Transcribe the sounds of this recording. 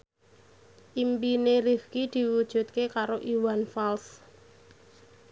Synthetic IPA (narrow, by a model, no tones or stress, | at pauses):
ʔimpineɾifkid̪̥i̤wud̥ʒ̥ṳt̪̚kekaɾoʔiwanfals